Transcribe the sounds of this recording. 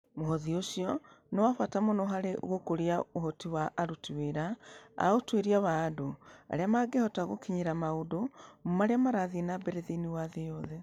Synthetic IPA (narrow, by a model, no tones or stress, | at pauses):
moɦɔðioʃiɔnɔwafwatamonɔɦaɾeɣokoɾiaoɦɔtiwaʔːɾutiweɾaa̰otweɾiaβaːdoa̰ɾeamaɡehɔtaɣo̰kiɲeɾamaudomomaɾeamaɾaðienabeɾeðiniwaðejɔðɛ